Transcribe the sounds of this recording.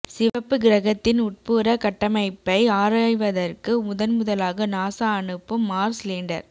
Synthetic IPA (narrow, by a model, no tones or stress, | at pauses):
sɪʋɐpːɯɡɪɾɐɣɐt̪ːɪnʊʈ̚pɯːɾɐkɐʈːɐmɐɪpːɐɪaːɾaːjʋɐðɐrkɯmʊðɐnmʊðɐlaːɣɐnaːsaːɳɯpːɯmːaːɾsliːɳɖɐ̰ɾ